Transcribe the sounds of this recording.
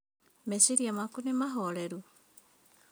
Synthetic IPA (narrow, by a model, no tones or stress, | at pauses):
mesiɾijɐmakunemɐɦoːɭeɾu